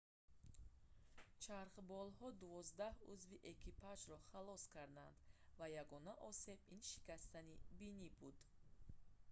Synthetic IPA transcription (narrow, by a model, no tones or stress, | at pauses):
t͡ʃʰaɾqbɔlhɔd̪uvɔzd̪ahuzviʔekʰipʰad͡ʒɾɔχalɔskʰaɾd̪and̪vajaɡɔnaʔɔse̞binʃi̥kast̪anibinibud̪̥